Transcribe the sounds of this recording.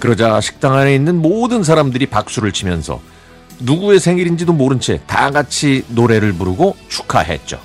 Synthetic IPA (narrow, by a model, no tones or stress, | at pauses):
kɯɾʌd͡ʑaɕʰi̥k̚t͈aŋɦane̞inːɯnmodɯns̬ʰaɾamdɯɾipak̚s͈uɾɯɭt͡ɕʰimjʌnsʰʌ̰ | nuɡue̞sʰe̞ŋiɾind͡ʑidomoɾɯnt͡ɕʰḛta̰ɡat͡ɕʰinoɾe̞ɾɯɭpuɾuɡot͡ɕʰu̥kʰa̰ɦe̞̰t̚t͡ɕ͈o̰